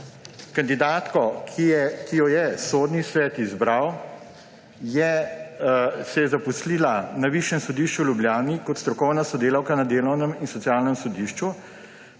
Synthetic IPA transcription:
kand̪id̪aːt̪kɔkʰiɛkijɔjɛsod̪nisʋɛːt̪izbɾaw | jɛ | sɛjɛzapusliːlanaʋiːʃjɛmsɔd̪iːʃt͡ʃuwljubljaːnikɔt̪st̪ɾɔkɔwnasɔd̪eːlawkanad̪eːlɔwnəminsɔtsijaːlnəmsɔd̪iːʃt͡ʃu

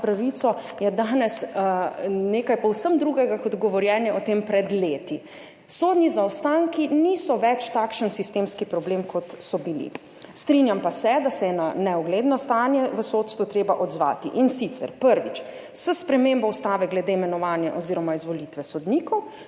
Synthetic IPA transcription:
pɾaʋit̪sɔ | jɛd̪aːnɛs | neːkajpɔwsəmd̪ɾuɡɛɡakɔd̪ɡɔʋɔɾjɛːnjɛɔt̪empɾɛd̪leːt̪i | soːd̪nizawst̪aːŋkiniːsɔʋɛt͡ʃt̪akʃənsist̪eːmskipɾɔbleːmkʰɔt̪sɔbilḭ | st̪ɾinjampasɛd̪asɛjɛnanɛɔɡleːd̪nɔst̪aːnjɛʋəsot̪st̪ʋut̪ɾeːbaʔɔd̪zʋa̰ːt̪ḭʔinsit̪sɛ̰ɾpəɾʋit͡ʃ | səspɾɛmeːmbɔwst̪aːʋɛɡlɛd̪eimɛnɔʋaːnjɛʔɔziːɾɔmaizʋɔlit̪ʋɛsɔd̪niːkɔw

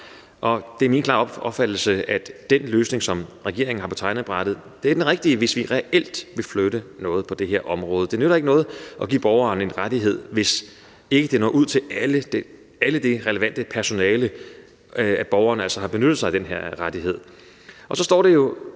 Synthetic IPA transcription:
ʔɒ̽d̥eɐminkʰlɑ̈ːɒɒ̽b̥fæd̥l̩səæd̥enløːsne̝ŋsɒ̽mʁɛɡ̥e̝ɐ̰eŋn̩hɑ̈pʰɒ̽t͡sʰɑ̈ɪnð̩b̥ʁɑd̥ð̞̩ˠ | d̥eæɐd̥enʁɛɡ̥d̥iəʋe̝sʋiʁɛʔel̰d̥ʋe̝fløɾ̥ənɔ̽ːð̞̩ˠpʰɒ̽d̥e̝ɦeɐ̰ʔɒ̽mʁɔ̽ːð̞ˠəd̥e̝nøɾɐe̝ɡ̥ənɔ̽ːð̞̩ˠʔɒ̽ɡ̥ḭːb̥ɒʊɐːne̝nʁad̥iɦe̝ð̞̰ˠʋe̝s | e̝ɡ̥əd̥e̝nɒ̰ːʔuð̞̰ˠt͡sʰe̝læləd̥e | æləd̥e̝ʁɛləʋæn̰d̥əpʰæɐso̝nɛːlə | æb̥ɒʊɐːnælsɒhɑ̈b̥e̝nød̥ð̩ˠsɑ̈ɪd̥enɦeɐ̰ʁad̥iɦe̝ð̞̰ˠ | ʔɒ̽sɒ̽sd̥ɒ̰ːde̝jo̝

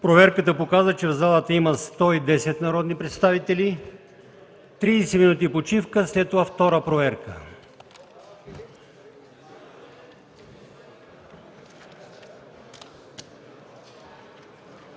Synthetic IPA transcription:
pɾovɛɾkət̪əpokazət͡ʃɛvzalˠət̪əiməst̪ɔid̪ɛsɛt̪nɐɾɔd̪nipɾɛt̪st̪avit̪ɛli | t̪ɾisɛminut̪̬ipot͡ʃifkəslɛt̪ːovaft̪ɔɾəpɾovɛɾkə

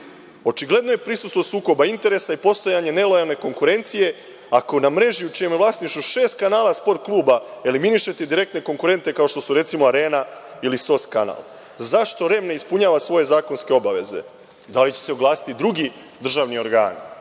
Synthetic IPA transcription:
o̞t͡ʃiɡle̞d̪no̞je̞pɾisust̪ʋo̞suːko̞baint̪e̞ɾe̞saipo̞st̪o̞jaɲe̞ne̞lo̞jalˠne̞ko̞ŋkuɾe̞nt̪sije̞ | ako̞namɾe̞ʒiut͡ʃijemjeʋlˠasniʃt̪uʃe̞ːst̪̚kanaːlaspo̞ɾt̪̚klˠuːbae̞liminiʃe̞t̪ed̪iɾe̞k̚t̪ne̞ko̞ŋkuɾe̞nt̪e̞kao̞ʃt̪o̞suɾe̞t̪simoaɾe̞ːnailiso̞skana̰ːlˠ | zaʃt̪o̞ɾe̞mne̞ispuɲaːʋasʋo̞je̞zaːko̞nske̞o̞baʋe̞̰ze̞̰ | d̪alit͡ɕese̞oɡlaːsi̥t̪id̪ɾuɡi | d̪r̩ʒaːʋnio̞ɾɡa̰ːni

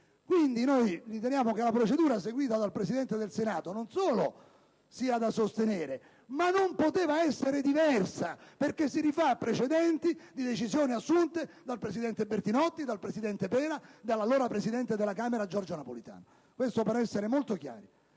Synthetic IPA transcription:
kwind̪inojrit̪enjaːmok̟elapɾot͡ʃed̪uːɾas̬eɡwiːt̪ad̪alpɾesid̪ɛnt̪ed̪elsenaːt̪ononsoːlo | siːad̪asost̪eneːɾe | manːompot̪eːvaɛsːeɾed̪ivɛrsaperkesːiɾifaːpːɾet͡ʃed̪ɛnt̪id̪id̪et͡ʃizjoːniasːunt̪e | d̪alpɾesid̪ɛnt̪ebert̪inɔt̪ːid̪alpɾesid̪ɛnt̪epɛːnad̪alːaloːɾapɾesid̪ɛnt̪ed̪elːakaːmeɾad͡ʒɔrd͡ʒonapolit̪a̰ːno | kwest̪opeɾɛsːeɾemolt̪okja̰ːɾi

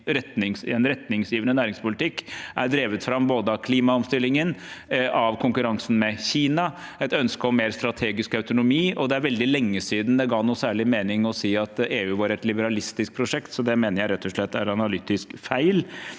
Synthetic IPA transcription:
ɾɛt̪nɪŋsɛnɾɛt̪nɪŋsjiːʋənənæːɾɪŋspʊlɪt̪ɪkːʔæɖ̪ɾeːʋət̪fɾɑmboːd̪əɑkʰliːmɑɔmst̪ɪlːɪŋənʔɑʋkʰʊŋkʉɾɑŋsn̩mɛçiːnɑ | ɛt̪œnskəɔmːeːɾst̪ɾɑt̪ʰeːɡɪskœʉt̪ʊnʊmiːʔɔd̪ɛæɾʋɛld̪ɪlɛŋːəsiːd̪n̩d̪ɛɡɑːnuːsæːɭɪmeːnɪŋɔsiːɑt̪eːʉːʋɑːɾɛt̪lɪbəɾɑlɪst̪ɪsk̚pʰɾʊʂɛkt̪sɔd̪ɛmeːnəɾjæɪɾɛt̪ːɔʂɭɛt̪ːæɾɑnɑlyːt̪ɪskfæɪl

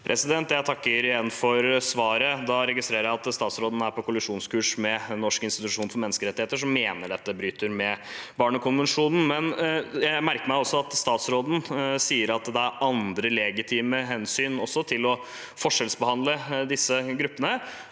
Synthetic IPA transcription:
pʰɾʔɛ̰sɪd̪ɛnt̪jæɪt̪ʰɑkːəɾɪjɛnnfɔɾsʋɑːɾəd̪ɑɾɛɡɪst̪ɾeːɾəɾjæɪɑt̪st̪ɑːt̪sɾoːd̪n̩æɾpɔkʰʊlɪʂuːnskʉːʂmɛnɔʂkəɪnst̪ɪt̪ʉʂuːnfɔɾmɛnːəskəɾɛt̪ːɪheːt̪əʂ̬ɔmːeːnəɖɛt̪ːəbɾyːt̪əɾmɛbɑːɳəkʰʊnʋənʂuːnn̩mɛnjæmæɾkəɾmæɪɔsːɔɑt̪st̪ɑːt̪sɾoːd̪n̩siːəɾɑt̪d̪ɛæɾɑnd̪ɾəlɛɡɪt̪ʰiːməɦɛnsyːnɔsːɔt̪ʰɪlɔ | fɔʂɛlsbəhɑnd̪ləd̪ɪsːəɡɾʉpːənə

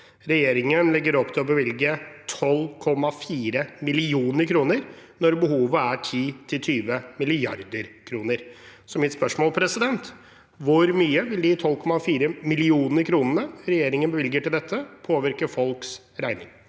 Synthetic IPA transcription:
ɾɛjeːɾɪŋənlɪɡːəɾɔpt̪ʰɪlɔbəʋɪlɡət̪ʰɔlːkʰɔmːɑfiːɾəmɪlɪuːnəɾkʰɾuːnəɾnɔɾbəɦuːʋəæʈʰiːt̪ʰɪlt̪ʰyːʋəmɪlɪɑɾd̪əɾkʰɾuːnəɾsɔmɪt̪spœʂmoːlpʰɾɛsɪd̪ɛnt̪ | ʋʊɾmyːəʋɪld̪ɪt̪ʰɔlːkʰɔmɑfiːɾəmɪlɪuːnəɾkʰɾuːnənəɾɛjeːɾɪŋənbəʋɪlɡəʈɪld̪ɛt̪ʰːəpʰoːʋɪɾkəfɔlks | ɾæɪnɪ̰ŋ

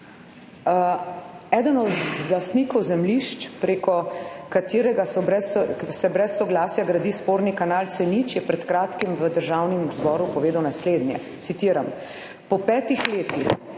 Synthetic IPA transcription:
ɛːd̪ənɔd̪zlasnikɔwzɛmliʃt͡ʃpɾeːkɔkat̪iːɾɛɡasbɛssɛbɾɛsːɔɡlaːsjaɡɾad̪iːspoːɾnikanaːlt̪sɛnit͡ʃjɛpɾɛt̪kɾaːt̪kimʋəd̪əɾʒawnimzbɔːɾupɔʋeːd̪awnasleːd̪njɛ̰ | t̪sit̪iːɾam | pɔpɛːt̪ixleːt̪ix

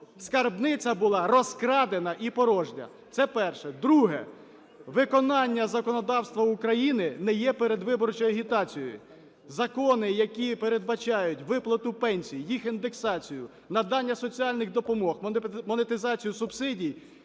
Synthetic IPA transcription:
skɐrbnɪt͡sʲɐbʊlˠɑrɔskɾɑd̪enɐʔipɔɾɔʒdʲɐ̰ | t̪sɛpɛrʃɛd̪ɾuɦɛ̰ | ʋɪkɔnɑnʲːɐzɐkɔnɔd̪ɑwst̪ʋɐʊkɾɐjinɪnɛjɛpeɾed̪ʋɪbɔrt͡ʃɔjɐɦʲit̪ɑt͡sʲijɔ̰jʊ̰ | zɐkɔnɪjɐkʲipeɾed̪̚bɐt͡ʃɑjʊtʲʋɪplˠɐt̪ʊpɛnʲsʲijijixind̪eksɑt͡sʲijʊ | nɐd̪ɑnʲːɐsɔt͡sʲiɑlʲnɪɣd̪ɔpɔmɔxmɔnet̪ɪzɑt͡sʲijusʊbsɪdʲij

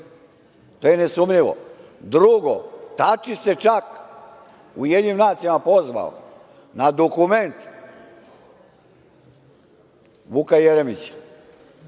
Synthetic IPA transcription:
t̪oːjenesumʎiʋo̰d̪ɾuɡot̪at͡ʃise̞t͡ʃak | ujed̪ɲimnaːt̪sijamapozʋa̰o̰ | nad̪okume̞nt̪ | ʋukajeɾemit͡ɕ

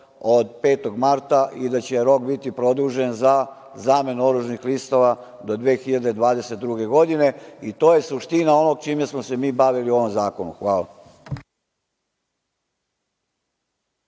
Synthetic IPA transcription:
od̪pe̞ːt̪o̞ɡmaɾt̪aʔid̪at͡ɕe̞ɾo̞k̚bit̪ipɾo̞d̪uʒenza | zaːme̞nuoɾuʒnixlist̪o̞ʋa | d̪o̞d̪ʋeːxiʎad̪ed̪ʋaːd̪e̞set̪̚d̪ɾuɡe̞ɡo̞d̪ine̞it̪o̞ːje̞suʃt̪inao̞no̞ɡ̚t͡ʃiːmesmose̞miːbaʋiliuo̞ʋo̞mzaːkonuxʋaːla

